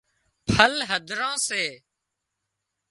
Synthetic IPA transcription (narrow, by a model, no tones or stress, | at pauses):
pʰəlɦəd̪ʱɾãːseː